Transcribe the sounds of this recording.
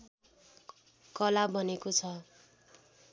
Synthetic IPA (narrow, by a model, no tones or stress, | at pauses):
kʌlabʱʌnekot͡sʰʌ